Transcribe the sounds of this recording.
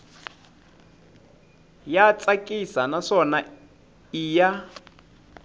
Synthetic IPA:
jat͡sʼakʼisanaʂɔna | iːja

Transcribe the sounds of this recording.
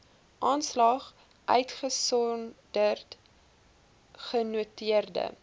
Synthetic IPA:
ʔɑːnslɐχ | ʔœ̰ɥtχəsɔndərt | χənuətiərdə̰

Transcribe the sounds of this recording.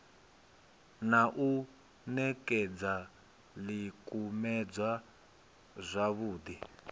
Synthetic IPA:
naʔu | nɛkɛd͡za | likʼumɛd͡zwa | zʷaβuːd̪i

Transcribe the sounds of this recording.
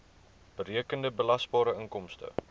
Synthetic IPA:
b̥əɾiəkəndəbəlɐsbɑːɾəəŋkɔmstə̰

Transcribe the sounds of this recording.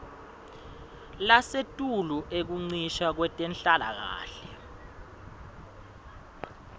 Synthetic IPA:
lasetʼuluʔek̬uŋ͡ǀiʃak̬wɛtʼɛnɬala̰k̬a̰ːɬɛ

